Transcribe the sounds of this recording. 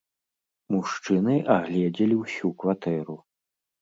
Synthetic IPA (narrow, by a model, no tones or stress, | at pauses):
muʂt͡ʂɨnɨʔaɣlʲɛd͡zʲɐlʲiwsʲukvat̪ɛɾu